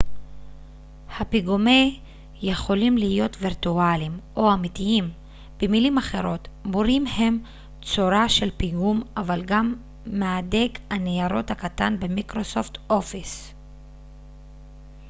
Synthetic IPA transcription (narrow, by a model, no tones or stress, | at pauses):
hapiɡume | je̞χo̞limlijo̞tviʁtualimʔo̞amitiim | b̥emilimaχe̞ʁo̞tboɾimhe̞m | t͡soɾaʃe̞lpiɡumavalɡamː | eade̞ɡanejaɾo̞thakatanbe̞mikʁo̞so̞fto̞fis